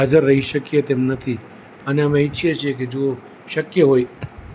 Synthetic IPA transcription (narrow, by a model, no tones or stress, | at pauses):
ad͡ʒəɾːəɦiʃəkjet̪emnət̪ʰi | əneəmẽɪt͡ʃʰijet͡ʃʰieked͡ʒo | ʃəkjəɦoj